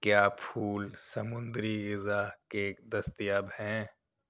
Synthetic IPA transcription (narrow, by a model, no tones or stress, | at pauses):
kjaːpʰuːlsɐmʊ̃nd̪ɾiɣɪzakeːkd̪ɐst̪ijaːbhɛ̃ː